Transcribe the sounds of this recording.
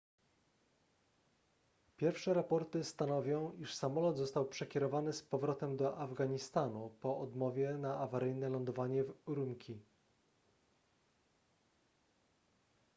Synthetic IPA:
pʲjɛɾfʂɛɾapɔɾt̪ɘst̪anɔvʲjɔ̃w̃iʂsamɔlɔd̪zɔst̪awpʂɛkʲɛɾɔvanɘspɔvɾɔt̪ɛmd̪ɔʔavɡaɲist̪anupɔʔɔd̪mɔvʲjɛnaavaɾɘjnɛlɔnd̪ɔvaɲɛvɾumkʲʰi

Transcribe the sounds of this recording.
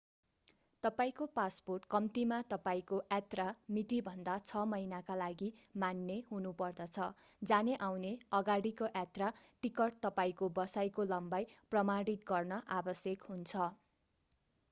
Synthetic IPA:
t̪ʌpaĩkopasporʈkʌmt̪imat̪ʌpaĩkoʔat̪ramit̪ibʱʌnd̪at͡sʰʌmʌinakalaɡimanːeɦunupʌrd̪ʌt͡sʰʌd͡zaneʔawneʌɡaɽikoʔat̪raʈikʌrʈt̪ʌpaĩkobʌsajkolʌmbajprʌmaɽit̪̚ɡʌrnʌʔabʌsjekɦunt͡sʰʌ

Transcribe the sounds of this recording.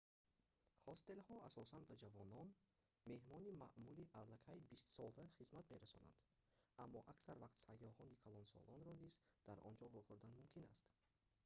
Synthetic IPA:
χɔst̪elhɔasɔsand̪bad͡ʒavɔnɔn | me̞hmɔnima̰ʔmuliʔalːakʰajbist̪sɔld̪aχizmat̪me̞ɾasɔ̰na̰nd̪̥ | amːɔʔaksaɾvaqt̪sajːɔhɔnikʰalɔnsɔ̰lɔnɾɔnizd̪̥aɾʔɔ̰nd͡ʒɔvuχuɾd̪anmumkʰina̰st̪

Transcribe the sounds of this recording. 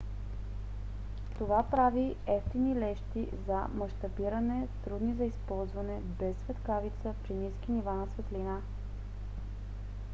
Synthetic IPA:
t̪ovapɾaviɛft̪inilɛʃt̪izɐ̰mɐʃt̪ɐbiɾənɛt̪ɾud̪nizɐispɔlˠzvɐnɛ | bɛsːvɛt̪kavit̪səpɾiniskinivanɐsvɛt̪lina

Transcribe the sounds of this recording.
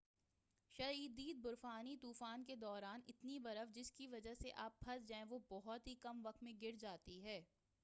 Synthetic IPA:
ʃɐiːd̪iːd̪̚bʊɾfaːnit̪uːfaːnked̪ɔːɾaːnɪt̪nibɐɾəfd͡ʒɪskiʋɐd͡ʒəɦseʔaːp̚bʰɐsd͡ʒãːɛ̃ʋobɔɦɔt̪ɦikɐmʋɐk̚t̪mẽɡɪɾd͡ʒaːt̪iɦɛː

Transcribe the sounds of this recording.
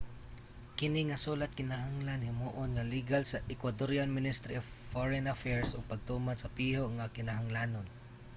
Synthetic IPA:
kɪnɪŋɐsuːlat̪̚kɪnaɦaŋlanhɪmuːʔonŋɐliɡalsɐʔɪkwad̪oɾjalmɪnɪst̪ɾiʔof | foɹɛnɐfɛɹsʔʊɡ̚pɐɡ̚t̪uːmad̪sɐpiːhoʔŋakɪnaɦaŋlaːnon

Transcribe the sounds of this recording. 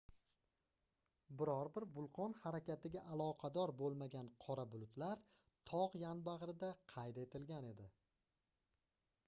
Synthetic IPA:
bɪɾɒɾbɪɾbʊlˠqʰɒnhaɾakʲʰat̪ɪɡʲaʔalˠɒqʰɑd̪ɒɾbolˠmaɡʲanqʰɒɾabʊlˠʊt̪laɾ | t̪ʰɒʁjanbaʁɾɪd̪aqʰɑjt̪e̞t̪ʰɪlɡʲane̞d̪ɪ

